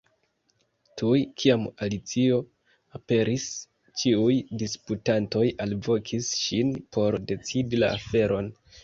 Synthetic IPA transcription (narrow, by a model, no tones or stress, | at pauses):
tʰujkʰiamalit͡sio̞ | ape̞ɾʔis | t͡ʃiujdisputanto̞jalvo̞kʰisʃinpo̞ɾde̞t͡sidilaafe̞ɾo̞n